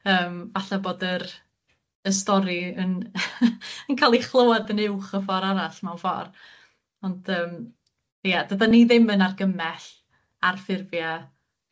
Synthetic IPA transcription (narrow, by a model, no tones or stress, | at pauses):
əːmvaɬaboːdəɾ | əs̬tɔɾiən | ənkʰaːlˠiχlˠowadənɪwχəfɔɾaɾaɬmawnfɔ̰r | ɔnd̥əːm | jadədaniðɪmənarɡəmɛɬ | arfɪrvja